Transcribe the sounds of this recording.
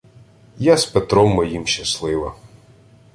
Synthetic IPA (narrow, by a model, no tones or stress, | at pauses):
jaspet̪ɾɔmːɔjimʃɐslˠɪʋɐ